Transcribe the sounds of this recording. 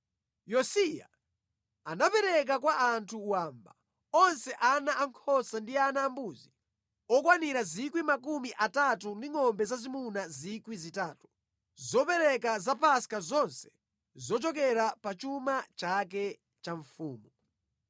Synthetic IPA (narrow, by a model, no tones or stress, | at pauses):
jɔsija̰ | anapɛɾɛk̬akwaʔantʰuwaːmba | ɔnsɛʔanaʔaŋkʰɔsandianaːmbuzi | ɔkwaniɾazikwimakumiʔatatundiŋɔmbɛzazimunazikwizitaːtu̥ | zɔpɛɾɛk̬azapaskazɔnsɛ̥ | zɔt͡ʃɔkɛɾapat͡ʃumat͡ʃak̬ɛ | t͡ʃaɱfuːmu